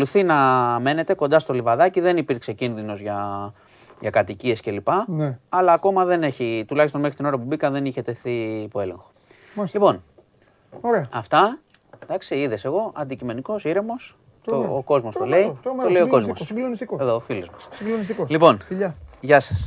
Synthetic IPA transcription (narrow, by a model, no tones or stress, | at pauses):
koluθinɐme̞ne̞t̪e̞ko̞nd̪ɐst̪o̞livɐðɐciðe̞nipiɾkse̞cinðino̞zʝɐ | ʝɐkɐt̪icie̞sce̞lipɐɐlɐːko̞mɐðe̞ne̞çit̪ulɐçist̪o̞nmexɾit̪ino̞ɾɐp̬ubikɐnðe̞niçe̞t̪e̞θipoe̞le̞̰ŋxo̞̥ | lipo̞n | ɾɐft̪ɐ | d̪ɐksiiðe̞se̞ɣo̞ʔɐnd̪icime̞niko̞siɾe̞mo̞s | t̪oːko̞zmo̞st̪ole̞it̪oleioko̞zmosseðoːfilozmɐssloniskolipo̞nʎʝɐsɐ̥s